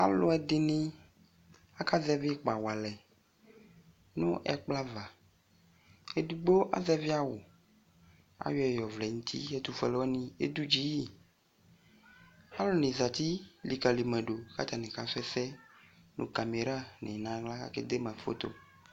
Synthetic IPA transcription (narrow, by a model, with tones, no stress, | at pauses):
a̰˦lʊ˦ɛ˨d̪ɪ˨nɪ̃˦ | a˦ka˦zɛ˦vi˦k͡pa˨wa˨lɛ˨ | nʊ̃˦ʔɛ̰˦k͡pla˦va˨ | e˦d̪u˨ɡ͡bo˦ʔa̰˦zɛ˦vi˦a˦wʊ˨ | a̰˨jɔ˦ɛ˨jɔ˨vlɛ˨ŋũ˦t̪ʰḭ˦ɛ˦t̪u˨fɛ˨lɔ˦nĩ˦ḛ˦d̪u˦d͡ʒi˦ji˦˨ | a˦lʊ˦nɪ̃˨za˨t̪i˦li˨ka˨li˨mɛ̃˨ɖo˨ka̰˦t̪a˨nẽ˨ka˨fɛ˦sɛ˦nṵ̃˨ka˨me˨ɾa˦ne˨nã˨˦ɡla˦ka̰˦kḛ˦d̪e˦mã˨˦fo̰˦t̪o̰˦